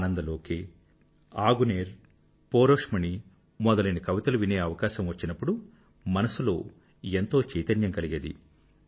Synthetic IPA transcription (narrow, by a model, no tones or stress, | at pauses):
nɐnd̪ɐlo̞ːkeː | aːɡuneːɾ | poːɾoːkʂmɐni | mɔd̪ɐlɐjnɐkɐʋit̪ɐluʋine̞ːɐʋɐkaːʃɐmʋɐt͡ʃːinɐpːuɽu | mɐnɐsulo̞̰ː | ent̪o̞ːt͡ʃiːt̪ɐnjɐŋkɐliɡed̪ḭ